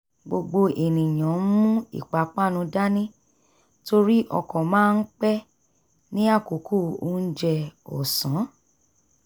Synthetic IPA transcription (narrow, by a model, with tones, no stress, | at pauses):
ɡ͡bo˧ɡ͡bo˧ʔe˨nĩ˨j̃ã˨˦mũ˦ḭ˦˨k͡pa˨˦k͡pa˦˨nũ˧da˦nĩ˦ | to˧ɾi˦ʔɔ̰˧kɔ̃˨mãː˦˧n̩˦k͡pɛ˦ | nĩ˦a˦˨ko˨˦kʰu˦˨o˦˧˦n̩˦d͡ʒɛ˧ɔ̰˨sã˨˦